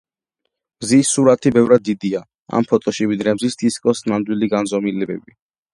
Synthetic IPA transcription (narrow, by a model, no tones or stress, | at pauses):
mzisːuɾat̪ʰibɛvɾad̪̚ːid̪ia | a̰mpʰɔt̪ʼɔʃivid̪ɾɛmzisd̪̥iskʼɔsnamd̪wiliɡanzɔmilɛbɛbi